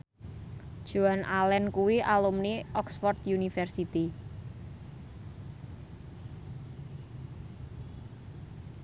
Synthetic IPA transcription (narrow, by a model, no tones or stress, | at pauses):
d̥ʒ̥uanʔalɛnkuwiʔalumniʔɔksfɔrt̪junifɛrsit̪i